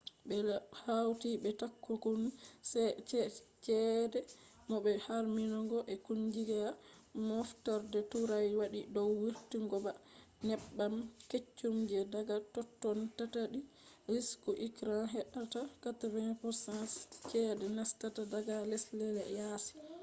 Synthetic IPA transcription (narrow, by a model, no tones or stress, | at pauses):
bɛhawtibɛtakːukunsɛt͡ʃɛt͡ʃɛdɛ | mɔbɛhaɾminɔɡɔʔɛkuɲd͡ʒiɡɛa | mɔftɔɾdɛtuɾajwaɗidɔwwiɾtiŋɡɔba | nɛɓːamket͡ʃːumd͡ʒɛdaɡatɔtːɔntataɗi | ɾiskuʔikɾanɦɛɗatakatavɛnpɔsanst͡ʃɛdɛnastatadaɡalɛslɛlɛjasi̥